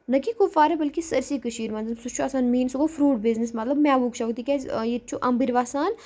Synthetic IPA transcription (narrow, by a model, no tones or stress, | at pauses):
nɐkikofaːɾebɐlkisəɾsikəʃiːɾmɐnzɐmsut͡ʃʰuasaːnmiːnsuɡofɾuːʈ̚biznismɐt̪lɐbmɛːʋukʃʰɐʋk̚t̪ikʲezjet͡ʃʰuʔɐmbiɾʋaːsaːn